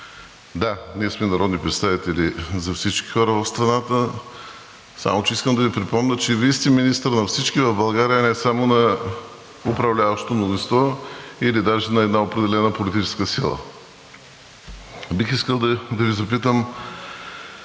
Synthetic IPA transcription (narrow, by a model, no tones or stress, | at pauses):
d̪aniɛsmɛnɐɾɔd̪nipɾɛt̪st̪avit̪ɛlizɐfsit͡ʃki̥xɔɾəvɐfst̪ɾɐnat̪ə | sa̰mot͡ʃɛiskəmd̪ɐvipɾipɔmnʲət͡ʃɛvist̪iminist̪əɾnɐfsit͡ʃkivɐvbɐlˠɡaɾijənɛsamonɐ | ʊpɾɐvlʲavɐʃt̪o̥t̪onozĩnst̪vɔilid̪aʒinɐɛd̪naopɾɛd̪ɛlɛnəpolit̪̬it͡ʃɛ̥skəsilˠə̰ | bixiskəlˠd̪ɐd̪ɐvizɐpit̪əm